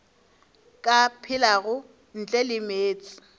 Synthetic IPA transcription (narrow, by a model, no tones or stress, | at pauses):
kʼapʰɪlaɣʊ | n̩t͡ɬʼɛlɪmeːt͡sʼɪ̥